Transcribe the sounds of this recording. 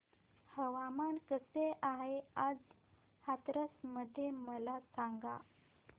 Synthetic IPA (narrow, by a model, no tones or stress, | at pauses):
həʋamankəseʔaɦead͡z | hat̪ɾəsməd̪ʱːjeməlasaŋɡa